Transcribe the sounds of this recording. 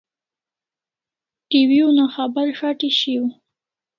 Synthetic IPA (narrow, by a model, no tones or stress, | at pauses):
ʈiwiunaxabaɾxaʈiʃiw